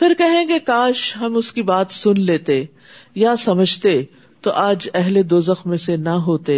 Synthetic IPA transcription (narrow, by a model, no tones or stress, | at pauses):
pʰɪɾkɛɦẽɡekaːʃɦɐmʊskibaːt̪sʊnleːt̪e | jasɐməd͡ʒʱt̪e | t̪oʔaːd͡ʒɛɦled̪oːzəxmẽsenɐɦoːt̪eː